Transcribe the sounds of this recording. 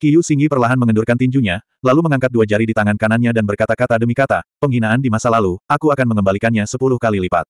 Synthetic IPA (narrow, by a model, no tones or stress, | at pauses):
kijusiŋɡipərlaɦanməŋədurkant̪iɲd͡ʒuɲa | laluməŋaŋkat̪̚duad͡ʒaɾidit̪aŋankananɲadanbərkat̪akat̪adəmikat̪apəŋɦinaːndimasalaluʔakuakanməŋəmbalikanɲasəpulʊhkalilipa̰t̪̚